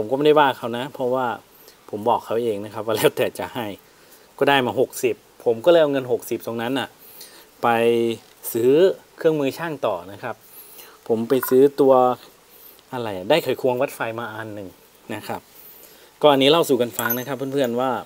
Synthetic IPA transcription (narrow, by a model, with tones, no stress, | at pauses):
pʰo˩˦mkɔː˥˩˧da˥˩jwaː˥˩kʰa˧˩wna˦˥pʰɔ˦˧˥waː˥˩ | pʰo˩˦mbɔː˨˩kʰːa˦˥wʔeː˧ŋna˦˥kʰa˦˥p̚waː˥˩lɛː˧˥˩wt̪ɛː˨˩t͡ɕa˨˩ha˧˥˩j | kɔː˥˩daː˥˩jmaː˧˩ɦo˨˩k̚si˨˩p̚ʰːo˨˩˦mkɔː˥˩lːjʔŋɤ˧nɦo˨˩k̚si˨˩p̚t̪o˧ŋna˦˥nʔa˧˩ | pa˧j | sɯː˦˥kʰɯ˥˩əŋmɯː˧t͡ɕʰaː˥˩ŋt̪ɔː˨˩na˦˥kʰa˦˥p̚ʰː | o˩˦mpa˧jsɯː˦˥t̪u˧ɐ | ʔa˧ɾa˧˩jʔa˨˩daː˥˩jkʰa˨˦jkʰu˧əŋwa˦˥t̪̚fa˧jmaː˧ʔaː˧nːɯ˨˩ŋ | na˦˥kʰa˦˥p̚ | kɔː˧˩ʔa˧nːiː˦˥la˥˩wsuː˨˩ka˧nfa˧ŋna˦˥kʰa˦˥pʰːu˧˥˨pʰɯ˥˩ənwaː˥˩